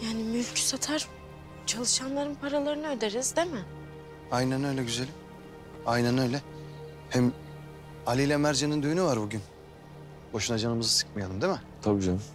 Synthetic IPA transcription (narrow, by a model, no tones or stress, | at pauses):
jaːnimylʲcʰy̥sat̪ʰaɾ | t͡ʃʰalˠɯʃanlˠaɾɯnpʰaɾalˠaɾɯnɯød̪eɾiz̥d̪emɪ | ajnænø̞jlʲɛɟyzelʲim | ajnænø̞jlʲɛ | hɛm | alʲilʲɛmæɾd͡ʒenind̪yjynyvaɾbuɟyn | bo̞ʃunad͡ʒanɯmɯzɯsɯ̥kmajanɯmd̪emɛt̪ʰabid͡ʒa